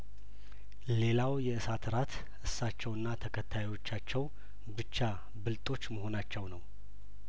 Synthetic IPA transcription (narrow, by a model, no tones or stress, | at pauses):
le̞lawjɛɨsat̪ʰɨɾat̪ | ʔɨsːat͡ʃːɛwɨnːat̪ʰəkʰət̪ʰːajwo̞t͡ʃːat͡ʃːɛw | bɨt͡ʃːa | bɨlt̪ʼo̞t͡ʃːməho̞nat͡ʃːɛwnəw